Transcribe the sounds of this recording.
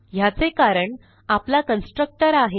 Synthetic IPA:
jat͡sekaɾəɳ | aplakənsʈɾək̚ʈəɾaɦe

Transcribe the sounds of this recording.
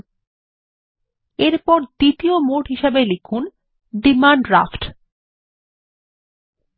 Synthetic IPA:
eɾpɔɾd̪̥it̪iomoʈɦiʃebelikʰun | ɖimaɳɖɾa̰fʈ

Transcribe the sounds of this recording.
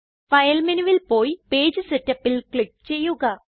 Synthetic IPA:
fɐjlmenuʋilpo̞ːjipeːd͡ʑɨsetːɐpːilkɭip̚ːt͡ɕe̞jːuɣɐ

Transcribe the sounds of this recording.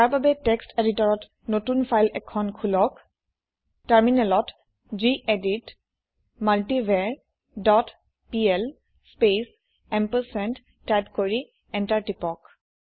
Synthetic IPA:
taɹbabɛtɛksteditɔɹɔt | notunpʰajlɛkʰɔnkʰulɔk | taɹminɛlɔt | d͡ʒiʔedit | maltibʱɛɹ | dɔt | piɛl | spes | ɛmpəsɛntː | ajpkoɹi | ɛntaɹtipɔk

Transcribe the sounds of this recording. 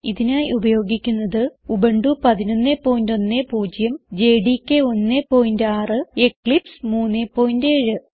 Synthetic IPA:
iðinaːjubɐjo̞ːɡikʲːunːɐðɨubɐɳɖupɐðino̞nːeːpːo̞ːjindo̞nːeːpuːd͡ʑjɐmd͡ʑeːɖikʲːeo̞nːepo̞ːjindaːrɨekɭipsmuːnːepːo̞ːjindeːɻɨ

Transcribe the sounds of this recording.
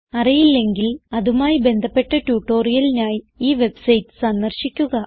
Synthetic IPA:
ɐrijilːe̞ŋɡilɐðumaːjibe̞nd̪ʱɐpːe̞ʈːɐʈjuːʈːo̞ːrijɐlinaːji | iːʋe̞bsɐjtːɨ̥sɐnːɐrɕikʲːuɣɐ

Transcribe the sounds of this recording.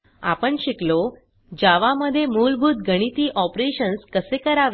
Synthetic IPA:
a̰pəɳɕiklo | d͡ʑaʋaməd̪ʱːjemulbʱuːt̪̚ɡʱəɽ̃it̪iːʔɔpɾeɕənskəsekəɾaʋ

